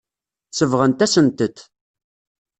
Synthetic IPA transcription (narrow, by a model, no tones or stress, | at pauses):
səvʁənt̪æsənt̪ət̪